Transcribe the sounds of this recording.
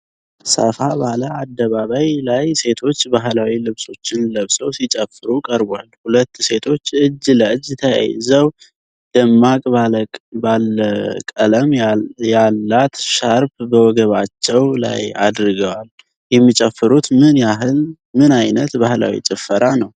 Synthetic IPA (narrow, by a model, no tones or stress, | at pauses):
sə̰fabaləad̪ːəβaβajlajse̞t̪ʰo̞t͡ʃːbaɦlawilɨβso̞t͡ʃːɪnləβsəwsit͡ʃʼəfːɨɾukʼəɾbʷa̰lhulət̪ːse̞t̪ʰo̞t͡ʃːɨd͡ʒːləɨd͡ʒːt̪ʰəja̰j̰zəw | d̪̥əmːakʼbabaləkʼələmjalːat̪ʃaɾbbəwɔɡəβat͡ʃːɛwla̰ja̰d̪ɾɨɡəwal | jɛmːit͡ʃʼəfːɨɾut̪mɨnjaɦɨl | mɨnajnət̪bahla̰wḭt͡ʃʼɛfːəɾanəw